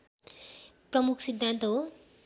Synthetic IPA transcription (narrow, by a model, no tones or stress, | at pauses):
prʌmukʰsid̪ʱːant̪ʌɦo